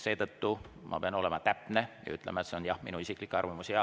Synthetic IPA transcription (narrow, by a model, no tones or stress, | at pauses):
se̞ːt̪ɤt̪ːu | mʔɑ̰peɑno̞le̞mɑt̪æpne̞jɑ̰y̰t̪ːˑlemɑet̪se̞o̞njɑhminuisiklikːˑeɑrvɑmusiɑ